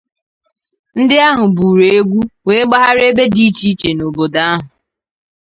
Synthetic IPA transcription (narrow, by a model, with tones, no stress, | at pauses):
n̩˦dɪ˦a˦ɦʊ˨bu˨ɾe˨e˦ɡʷu˦we˨˦e˦ɡ͡ba˦ɦa˦ɾe˦be˦di˦t͡ʃi˦t͡ʃe˨no˨bo˨da˨a˦ɦʊ˨